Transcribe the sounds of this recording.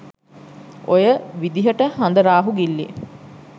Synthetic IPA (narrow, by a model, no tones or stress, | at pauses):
ʔojəʋid̪iɦəʈəhɐnd̪əɾaːɦuɡilːḭ